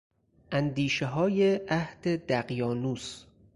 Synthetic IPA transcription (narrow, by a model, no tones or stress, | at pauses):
ʔænd̪iːʃeɦɒːjeʔæhd̪̥ed̪æɣjɒːnuːs